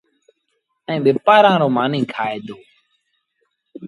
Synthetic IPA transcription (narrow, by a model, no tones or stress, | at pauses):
əɛ̃ːɓeːpaːɾãːɾoːmãːnĩːkʰaːeːd̪oː